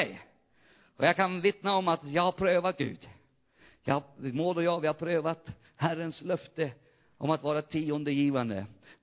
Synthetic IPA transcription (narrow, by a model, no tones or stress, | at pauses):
ɛj | ɔjakʰanvɪt̪naɔmat̪jɑːɡhaɾpʰɾøːvat̪̚ɡʉ̟̰ːd̪ | jɑ̰hamoːlɔjɑːvɪhaɾpʰɾøːvat̪ | hærːənslœft̪ə | ʔɔ̰mat̪vɑːɾat̪ʰiːɔnd̪əjiːvand̪ə̰